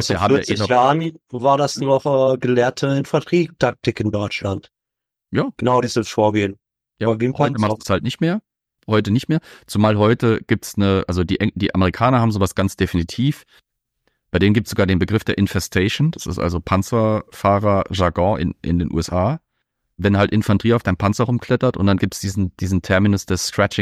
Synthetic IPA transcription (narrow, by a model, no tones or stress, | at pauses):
aviɐhaːmjaːʔeːnɔʒamivaːɐdasnɔχʔɛːɡəlɛːɐtʰəɪnfɛɐtʁ̥iːk̚tʰak̚tɪkɪndɔʏt͡ʃlant | jaːɡ̥ənaʊdiːzəfoːɐɡeːn | jaːaveːmfatəastd̥ushaltnɪçtmeːɐ | hɔʏtənɪçtmeːɐt͡sumaːlɦɔʏtəɡ̥iːp̚tsnəʔalzodiːʔɛd̥iːʔa̰məʁikʰaːnɐɦaːbmzoːvasɡ̥ant͡sd̥efinitʰiːf | b̥aɪdeːnənɡip̚tszoɡaɐdeːnbəɡʁɪfd̥eːɐʔɪnfɛstʰɛɪʃnd̥asɪ̰stʔa̰lzopʰant͡sɐfaːʁɐʒaɡɔ̃ʔɪ̰nʔɪ̰ndeːnʔṵːɛsʔaː | vɛnɦaltʔɪnfandʁiːaʊfd̥aɪnpʰant͡sɐʁʊmkʰl̥ɛtɐtʔʊ̰ntd̥anɡiːp̚tsd̥iːzn̩d̥iːzn̩tʰɛɐminʊsd̥ɛsskʁ̥ɛt͡ʃɪ